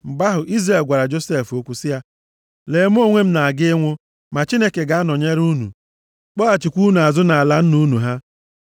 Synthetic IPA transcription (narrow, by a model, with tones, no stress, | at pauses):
m̩˨ba˦ɦʊ˨ʔi˦zre˨lɡʷa˨ɾa˨d͡ʒo˦se˦fo˦kʷu˦sɪ˦ja˦ | le˨˦m˦o˦ŋʷe˦m̩˦na˨a˨ɡɪ˦ŋʷʊ˦ | ma˨t͡ʃi˦ne˦ke˨ɡa˨˦a˦nɔ˨ɲe˦ɾu˦nṵ˨ | k͡pɔ˦a˨t͡ʃɪ˨kʷu˦nu˨a˨zʊ˦na˨a˨la˦n̩˦nu˦nu˨ɦa˦